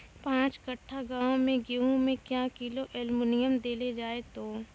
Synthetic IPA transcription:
pãːt͡ʃkəʈʰːaɡãːõmẽɡeɦõmẽkjaːkiloʔɛlmunɪjəmd̪eːled͡ʒaːet̪oː

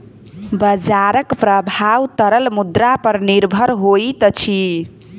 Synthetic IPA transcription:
bəd͡ʒaɾəkpɾəbʱawt̪əɾəlmud̪ɾapəɾniɾbʱəɾɦojt̪ʌt͡ʃʰi

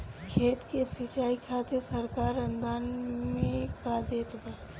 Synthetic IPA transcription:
kʰeːt̪kesit͡ʃaːikʰaːt̪esəɾkaːɾənd̪aːnmẽkad̪eːt̪bɛ

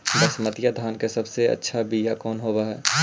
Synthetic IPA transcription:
bɐsmɐt̪jad̪ʱaːnkesɐbseɐ̰tːʃʰabijakɔːnɦoːwaɦɛː

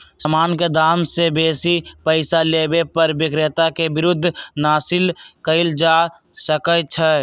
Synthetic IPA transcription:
səmaːnked̪ʱaːmsebeːsipəɪsaleːbepəɾʋɪkɾet̪akebɪɾʊd̪ʱːnaːsɪlkəɪld͡ʒa | səkət͡ʃʰɛ

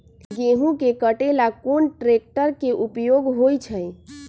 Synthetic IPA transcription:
ɡeɦũkekəʈelakonʈɾek̚ʈəɾkeʔupjoɡɦojt͡ʃʰəj

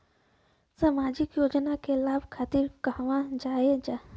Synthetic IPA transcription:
samaːd͡ʒɪkjoːd͡ʒnakelaːbkʰaːt̪ɪɾkəɦʋãd͡ʒaːed͡ʒaː

